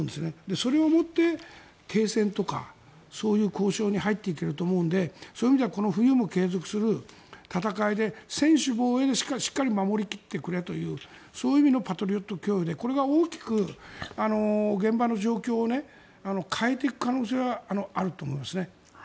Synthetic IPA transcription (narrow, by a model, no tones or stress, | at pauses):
nd̪esɨned̪e̞so̞ɾe̞o̞mo̞t̪ːe̞ | t̪ʰe̞ːsẽ̞nt̪o̞ka̰ | so̞ːjɯ̟ːko̞ːɕo̞ːɲ̟iɦait̪ːe̞ike̞ɾɯ̟t̪o̞ːmo̞ɯ̟̃nd̪e̞soːimʲid̪e̞ako̞no̞ɸɯ̟jɯːmo̞ke̞ːzo̞kɯ̟̥sɨɾɯ̟ | t̪at̪akaid̪e̞sẽ̞ɰ̃ɕɨbo̞ːe̞d̪e̞ɕi̥kaɕi̥kːaɾʲimamo̞ɾʲikʲi̥t̪ːe̞kɯ̟ɾe̞t̪o̞jɯ̟ː | so̞ːjimʲino̞pat̪o̞ɾʲio̞t̪ːo̞kʲo̞ːid̪e̞ko̞ɾe̞ɡaoːkʲi̥kɯ̟ano̞ɡẽ̞mbano̞ʑo̞ːkʲo̞ːne̞ | ano̞kʰae̞t̪e̞ikɯ̥kano̞ːse̞ːɡaano̞aɾɯt̪oːmo̞imasɨne